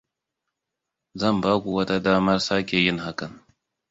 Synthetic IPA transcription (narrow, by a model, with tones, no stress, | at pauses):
zɐ˦˨mbaː˦ɡʷu˨wɐ˦ta˦daː˦mɐ˦rsa˦kʲe˨jɪ˦ŋɦa˦kɐ˨n